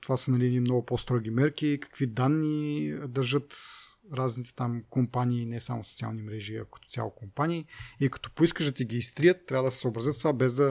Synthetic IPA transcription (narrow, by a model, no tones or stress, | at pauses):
t̪ovasənɐliɛnimnɔɡʊpost̪ɾɔɡ̟imɛɾkikɐ̥kv̥id̪anːid̪ɐɾʒɤt̪ɾaznit̪ɛ̥t̪amkompaniːnɛsamoso̥t̪sia̰lˠnimɾɛʒiɐ̰kɐ̥t̪ɔ̥ja̰lˠokompanʲiːikɐ̥t̪ɔ̥poiskəʒd̪ɐt̪iɡʲiːst̪ɾijət̪ːɾavəd̪əsɛ̥soːbɾəzət̪st̪ovabɛzd̪ɐ